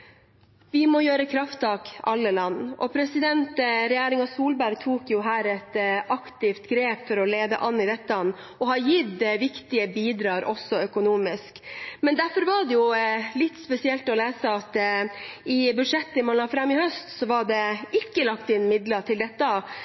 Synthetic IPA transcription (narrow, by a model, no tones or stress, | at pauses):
ʋɪmɔjøːɾəkʰɾɑft̪ɑːkʔɑ̰lːəlɑnːʔɔ̰pʰɾɛsɪd̪ɛnt̪ɾɛjæːɾɪŋɑsuːlbæɾɡ̚t̪ʰuːkjʊɦæːɾɛt̪ɑkt̪ɪft̪ɡɾeːpfɔɾɔleːd̪ə̰ʔɑnːɪd̪ɛt̪ːɑn | ɔhɑjɪd̪ɛʋɪkt̪ɪəbiːd̪ɾɑːɾʔɔsɔœkʊnuːmɪskmɛnd̪æɾfɔɾʋɑɖɛjʊlɪt̪ːspɛsɪɛlt̪ɔleːsəɑt̪ | ɪbʉd̪ʂɛt̪ːəɪmɑnlɑːɡfɾɑmːɪhœst̪sɔʋɑɖɛɪkːəlɑkt̪ɪnːmɪd̪ləʈʰɪld̪ɛt̪ːɑ